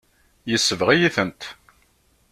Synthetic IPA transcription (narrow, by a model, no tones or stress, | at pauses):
jəsːəvʁijiθənt̪